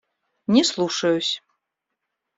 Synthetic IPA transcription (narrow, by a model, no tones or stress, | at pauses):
nʲɛslˠuʂɐjusʲ